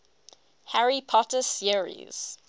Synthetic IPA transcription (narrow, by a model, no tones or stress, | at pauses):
haɹipʰɔtəsəɹḭz̥